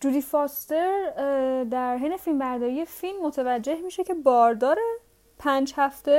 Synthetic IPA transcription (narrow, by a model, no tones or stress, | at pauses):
d͡ʒud̪ifɒst̪e̞ɾd̪æɾɦejnefilmbæɾd̪ɒːɾije̞filmːot̪ʰevæd͡ʒːe̞hmiːʃe̞cʰe̞bɒːɾd̪ɒːɾe | pʰænd͡ʒhæft̪e̞